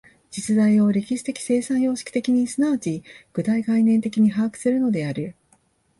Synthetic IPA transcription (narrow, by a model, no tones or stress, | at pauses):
d͡ʑit͡sɨd̪aio̞ɾʲe̞kʲiɕi̥t̪e̞kʲi̥se̞ːsãɰ̃jo̞ːɕi̥kʲi̥t̪e̞kʲiɲ̟isɨnaːt͡ɕiɡ̥ɯ̟t̪aiɡainẽ̞nt̪e̞kʲiɲ̟iɦaːkɯ̟̥sɨɾɯ̟no̞d̪e̞aɾɯ̟